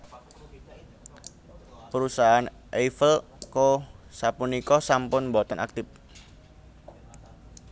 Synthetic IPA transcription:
pəɾusaɦan | ʔefəl | kosapunikɔsampʊnmbɔt̪ɔna̰k̚t̪ɪp̚

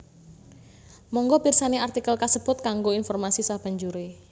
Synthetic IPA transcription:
mɔŋɡɔb̥i̤rsaneart̪ikəlkasəb̥ʊ̤t̪̚kaŋɡoinfɔrmasisab̥a̤ɲd͡ʒuɾe

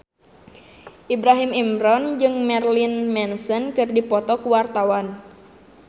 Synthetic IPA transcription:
ʔibɾaɦimimɾɔnd͡ʒɨŋmɛrlinmɛnsɔnkɨrdipɔt̪ɔkuwart̪awan

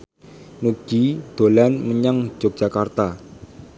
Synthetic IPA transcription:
nuɡ̥id̪̥o̤lanməɲaŋ̥d͡ʒ̥ok̚dʒ̥a̤kart̪a

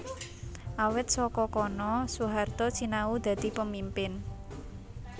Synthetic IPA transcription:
ʔawɪt̪̚sɔkɔkɔnɔsuɦart̪ɔt͡ʃinaud̪̥ä̤d̪̥i̤pəmimpɪn

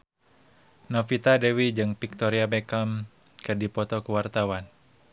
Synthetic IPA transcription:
nɔfit̪adɛwid͡ʒɨŋpik̚t̪ɔɾiabɛkam | kɨdipɔt̪ɔkuwart̪awan

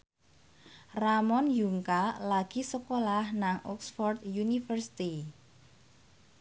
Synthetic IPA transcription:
ramɔnjuŋkalaɡ̥i̤səkolahnaŋɔ̰ksfɔrd̪junifərsi̥t̪i

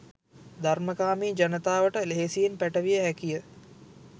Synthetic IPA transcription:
d̪ʱaɾməkaːmiːd͡ʒɐnət̪aːʋəʈəleɦesijenpæʈəʋijəɦækijə

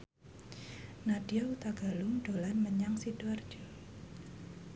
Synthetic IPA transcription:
naɖ̥iaut̪aɡ̥a̤lʊŋɖ̥olanməɲaŋsid̥uard̥d͡ʒ̥ɔ

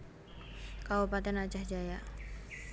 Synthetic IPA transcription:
kaupat̪ɛnḁt͡ʃahd͡ʒaja

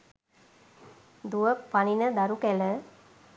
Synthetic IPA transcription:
d̪uʋəpɐninɐd̪ɐɾukɛlə

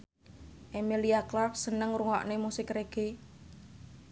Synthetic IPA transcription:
ʔemiliaklafsənəŋruŋɔ̰ʔnemusɪkreɡ̥e

